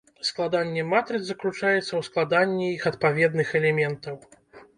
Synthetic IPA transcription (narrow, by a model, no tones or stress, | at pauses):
sklˠad̪anʲːɛmat̪ɾɨd̪zɐklʲut͡ʂajɛt̪sːɐwsklˠad̪anʲːɛixɐt̪̚pavʲɛd̪nɨxɛlʲɛmʲɛnt̪ɐw